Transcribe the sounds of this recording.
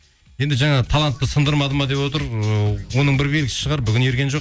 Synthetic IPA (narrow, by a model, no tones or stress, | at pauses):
je̞nd̪ɪʒɑɴɑt̪ʰɑlˠɑnt̪ːəsənd̪əɾmɑd̪əmɑd̪e̞pwo̞t̪əɾəwo̞nəɴbɪɾbelɡʲɪsɪ̥ʃəʁɑɾbʏɡʲɪnjeɾɡʲe̞nʒoq